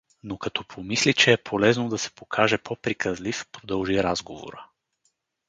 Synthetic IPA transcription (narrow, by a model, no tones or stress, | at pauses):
nokɐt̪ɔpʰomislit͡ʃɛːpʰolɛznod̪ɐsɛ̥pokʰaʒɛpʰopɾikʰəzlifpɾod̪əlˠʒiɾazɡovo̰ɾə